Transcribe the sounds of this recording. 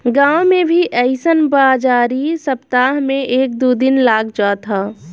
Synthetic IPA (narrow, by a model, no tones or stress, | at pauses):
ɡãːwmẽbʱiʔɛɪsənbaːd͡ʒaːɾisəpt̪aːɦmẽʔeːk̚d̪uːd̪ɪnlaːɡd͡ʒaːt̪ʰaː